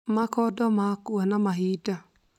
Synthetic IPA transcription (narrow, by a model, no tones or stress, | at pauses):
makɔdɔmakuanamaɦida